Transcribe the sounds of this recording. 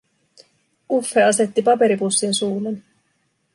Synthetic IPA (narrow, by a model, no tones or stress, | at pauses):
ufːeɑse̞t̪ːipɑpe̞ɾipusːinsuːlen